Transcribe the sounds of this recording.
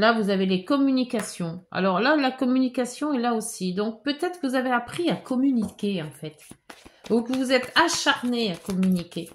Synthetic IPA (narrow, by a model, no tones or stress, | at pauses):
lavuzavelekɔmynikʲasjɔ̃a̰lɔʁlalakɔmynikasjɔ̃ɛlaosid̪ɔ̃k̚pøt̪ɛt̪χkvuzaveapχiakɔmynikʲeɑ̃fɛt̪ | ukəvuzɛt̪aʃaʁneakɔmynikʲe